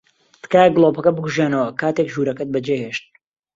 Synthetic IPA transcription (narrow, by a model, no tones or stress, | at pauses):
t̪ɨ̥kaːjɛɡlˠopɐkɐbɨɡuʒaːnɐwɐkaːt̪ekʒuːɾɐkɐt̪̚bɐd͡ʒeːɦeːʃt̪̚